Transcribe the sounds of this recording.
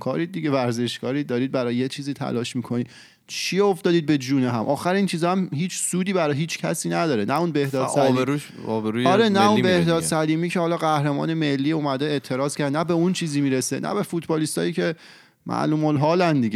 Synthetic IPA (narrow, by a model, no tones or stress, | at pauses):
kʰɒ̰ːɾiːd̪̚ːiɟe̞væɾze̞ʃɡɒːɾiːd̪ɒːɾiːd̪̚bæɾɒːjejet͡ʃʰiːziːt̪ʰæ̰lɒːʃmiːkʰo̞niːd̪ | t͡ʃʰioft̪ɒːd̪iːd̪̚be̞d͡ʒuːneɦæmʔɒːxæɾiːnt͡ʃʰiːzɒæmhiːt͡ʃʰsuːd̪iːbæɾɒɦiːt͡ʃʰcʰæ̰siːnæd̪ɒːɾenæunbe̞hd̪ɒːt̪sælːieɾuʃ | ɒːbeɾuɒɾenæunbehd̪ɒːsæliːmiːcʰehɒːlɒːɣæhɾemɒ̰ːneme̞lːiːuːmæd̪eet̪ʰe̞ɾɒːz̥kʰʲæɾd̪enæbe̞unt͡ʃʰiːziːmiːɾesḛnʔæ̰be̞fut̪ʰbɒːlist̪ɒ̰ːjiːcʰe̞ | mʔæ̰ʔluːmolɦɒːlænd̪iɟe